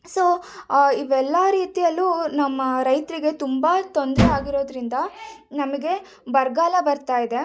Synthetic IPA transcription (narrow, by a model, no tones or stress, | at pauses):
so̞ːiʋɛlːaːɾiːt̪ijɐlːunɐmːɐɾɐjt̪ɾiɡe̞t̪umbɐt̪o̞nd̪ɾɛaːɡiɾo̞ːd̪ɾind̪ɐnɐmɐɡe̞ | bɐɾɡaːlɐbɐɾt̪aːjid̪e̞